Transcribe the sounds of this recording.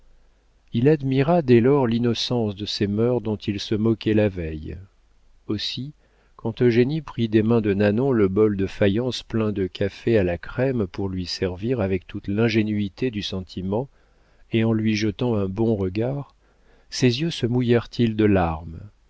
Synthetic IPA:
ilad̪miʁad̪ɛlɔʁlinɔsɑ̃sd̪əsemœʁd̪ɔ̃t̪ilsəmɔkʲɛlavɛj | osi | kɑ̃t̪øʒenipχid̪emɛ̃d̪ənanɔ̃ləbɔld̪əfajɑ̃splɛ̃d̪əkʰafealakχɛmpuʁlɥisɛʁviʁavɛk̚t̪ut̪lɛ̃ʒenyit̪ʰed̪ysɑ̃t̪ʰimɑ̃ | eɑ̃lɥiʒət̪ɑ̃ɛ̃bɔ̃ʁəɡaʁ | sezjøsəmujɛʁt̪ʰild̪əlaʁm

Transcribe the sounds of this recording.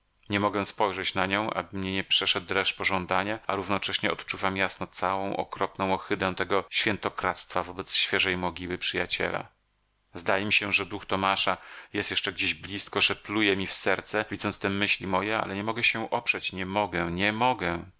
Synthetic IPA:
ɲɛmɔɡɛ̃spɔjʐɛt͡ɕnaɲɔ̃w̃ʔa̰bɘmɲɛɲɛpʂɛʂɛd̪̚ɾɛʂpɔʐɔnd̪aɲaaɾuvnɔt͡ʂɛɕɲɛɔt̪t͡ʂuvamjasnɔt̪sawɔ̃w̃ʔɔ̰kɾɔpnɔ̃w̃ɔxɘd̪ɛ̃t̪ɛɡɔɕfʲjɛnt̪ɔkɾat̪st̪favɔbɛt̪sɕfʲjɛʐɛjmɔɡʲiwɘpʂɘjat͡ɕɛ̰la̰ | zd̪ajɛmʲiɕɛʐɛd̪uxt̪ɔmaʂajɛst̪jɛʂt͡ʂɛɡd͡ʑeʑblʲiskɔʐɛplujɛmʲifsɛɾt̪sɛvʲid̪zɔnt̪st̪ɛmɘɕlʲimɔjɛa̰lɛɲɛmɔɡɛɕɛʔɔpʂɛt͡ɕɲɛmɔɡɛɲɛmɔɡɛ

